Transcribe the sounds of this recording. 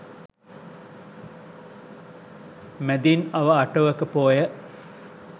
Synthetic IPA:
med̪inɐʋɐɐʈɐʋəkːəpoːjə

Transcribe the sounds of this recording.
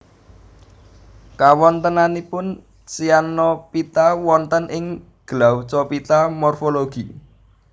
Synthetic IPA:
kawɔnt̪ənanipʊn | sianɔpit̪awɔnt̪ənʔɪŋ | ɡ̥əlawt͡ʃɔpit̪amɔrfoloɡ̥i

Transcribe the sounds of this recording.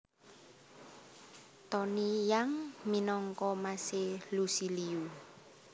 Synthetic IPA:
t̪ɔnijaŋminɔŋkɔmaselusiliu

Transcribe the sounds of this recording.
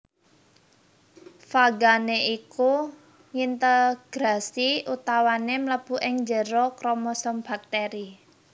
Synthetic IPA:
faɡaneʔiku | ŋint̪əɡ̥ɾasiʔut̪awanemləb̥ṳʔɪŋɲd͡ʒəɾɔkɾɔmɔsɔmb̥ak̚t̪eɾi

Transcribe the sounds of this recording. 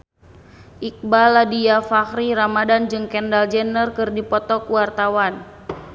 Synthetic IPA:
ʔik̚baladiafahɾiɾamadand͡ʒɨŋkɛndald͡ʒɛnərkɨrdipɔt̪ɔkuwart̪awan

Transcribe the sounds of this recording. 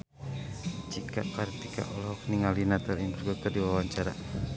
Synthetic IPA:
t͡ʃikaʔkaɾt̪ika̰ʔɔlhɔk̚niŋalinat̪ɔɾmpərɡɔt̪ərdiwawaɲt͡ʃaɾa̰

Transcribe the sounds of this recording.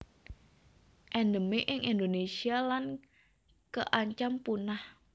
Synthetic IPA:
ʔɛndəmeʔɪŋʔind̪onesialan | kəʔaɲt͡ʃampunah

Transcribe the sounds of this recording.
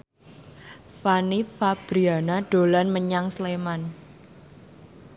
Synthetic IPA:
fanifab̥ɾianaɖ̥o̤lanməɲaŋsleman

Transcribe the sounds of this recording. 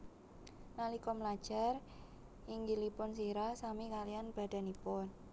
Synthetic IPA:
nalikɔmlad̥ʒ̥a̤r | ɪŋɡilipʊns̬iɾasamikalijanb̥a̤d̥a̤nipʊn

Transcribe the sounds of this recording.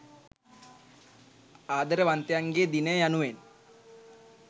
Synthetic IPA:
aːd̪əɾəʋant̪ejaŋɡeːd̪inəjəjanuʋen

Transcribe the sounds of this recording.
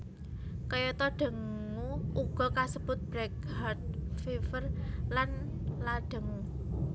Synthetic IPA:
kəjɔt̪ɔɖ̥ə̤ŋ | uuɡ̥ɔ̤kasəb̥ʊt̪̚b̥ɾɛk̚hart̪̚fifərlan | laɖ̥ə̤ŋu

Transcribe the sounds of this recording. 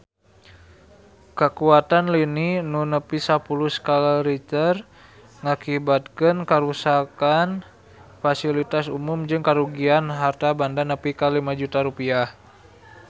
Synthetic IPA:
kəkuat̪anlininunəpisapuluskalaɾit̪ər | ŋakibat̪̚kənkəɾusakan | fasilit̪asumʊmd͡ʒɨŋkaɾuɡianɦart̪abandanəpikalimad͡ʒut̪aɾupiah

